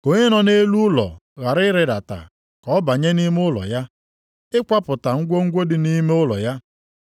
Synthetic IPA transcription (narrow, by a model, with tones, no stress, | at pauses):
ko˨ɲe˦nɔ˨ne˦lu˦ʊ˦lɔ̰˨ɣa˨ɾɪ˦ɾɪ˦da˨ta̰˨ | kɔ˦ba˨ɲe˦ni˦m˦ʊ˦lɔ̰˨ja˦ | ɪ˦kʷa˦pʊ˨ta˨ŋ̩˦ɡʷo˦ŋ̩˦ɡʷo˦dɪ˨ni˦me˦ʊ˦lɔ̰˨ja˦